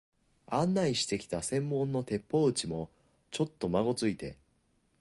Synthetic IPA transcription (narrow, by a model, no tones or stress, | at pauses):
ãnːaiɕi̥t̪e̞kʲi̥t̪asẽ̞mːõ̞nːo̞t̪e̞pːo̞ɯ̟t͡ɕimo̞ | t͡ɕo̞t̪ːo̞maɡo̞t͡sɨit̪e̞